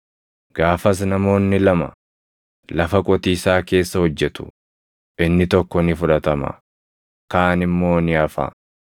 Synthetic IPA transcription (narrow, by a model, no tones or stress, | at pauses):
ɡ̥aːfɐs̬nɐmo̞ːnːɪlɐmɐ̰ | lɐfɐkʼɔt̪iːsaːke̞ːsːɐhɔd͡ʒːɛt̪ʊ̥̰ | ʔɪnːɪt̪ɔkːɔnɪfʊᶑɐt̪ɐmɐ̰ | kaːnɪmːo̞ːnɪɐfa̰ː